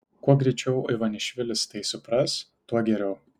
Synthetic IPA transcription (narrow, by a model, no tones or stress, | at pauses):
kuɔɡɾʲɛɪt͡ʃʲɛʊɐɪʋɐnʲɪʃʲʋʲɪlʲɪst̪ɐɪsʊpɾɐs | t̪uɔɡʲɛɾʲɛʊ